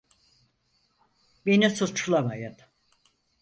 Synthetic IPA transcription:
benisut͡ʃʰlˠamajɯn

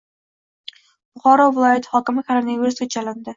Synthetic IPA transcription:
b̥ʊχɒɾɒvɪlˠɒjat̪ʰɪ̥hɒkʲɪmɪkʲʰaɾanaveɾst̪ʰet̪̚t͡ʃalɪnd̪ɪ

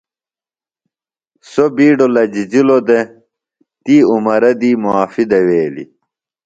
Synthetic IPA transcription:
sobiːɖolɐd͡ʑid͡ʑilod̪e | t̪iːumɐɾɐd̪iːmuaːfid̪ɐweːlḭ

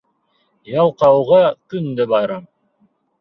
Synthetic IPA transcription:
jɑlˠqɑwʁɑkɵnd̪ɘbɑjɾɑm

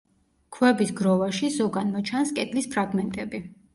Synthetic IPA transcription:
kʰwɛbisɡɾɔvaʃizɔɡanmɔt͡ʃʰanskʼɛd̪lispʰɾaɡmɛnt̪ʼɛbi

